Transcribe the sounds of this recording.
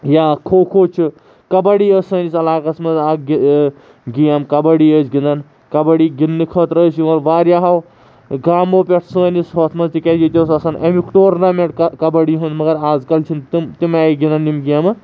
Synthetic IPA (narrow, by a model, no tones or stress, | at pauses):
jaːkʰoːkʰoːt͡ʃʰi | kɐbɐɽiːəːsəːnisɐlaːkɐsmɐzaːɡi | ɡijɐmkɐbɐɽiːəːt͡ʃʰɡind̪ɐn | kɐbɐɽiːɡinːɨkʰɐːt̪ɾəːsjiɐɾʋaːɾjaːɦɐw | ɡaːmoːpʲeʈʰsəːnisɦoːt̪ʰmɐzt̪ikɐd͡ʒit̪ʲoːsɐsɐnʔɐmikʈoːɾnameʈkɐbɐɽiɦund̪mɐɡɐɾaːzkɐlt͡ʃʰint̪imt̪imaːiɡind̪ɐnːimɡijamɨ